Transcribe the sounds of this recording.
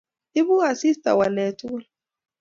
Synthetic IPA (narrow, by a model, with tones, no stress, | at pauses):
i˦βu˦a˨si˦sta̰˨wa˨nɛ˨tu˦